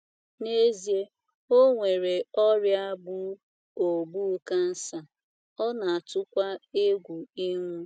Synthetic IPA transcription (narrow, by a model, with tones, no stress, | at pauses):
ne˦zi˦e˦ | o˦ŋʷe˨ɾe˨ɔ˦ɾja˦bʊ˦ | o˨bu˦ka˦n̩˦sa˨ | ɔ˦na˨a˨tʊ˦kʷa˦e˦ɡʷu˨i˦ŋʷu˦